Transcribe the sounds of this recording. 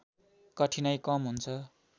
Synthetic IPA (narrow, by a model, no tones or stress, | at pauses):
kʌʈʰinʌjkʌmɦunt͡sʰʌ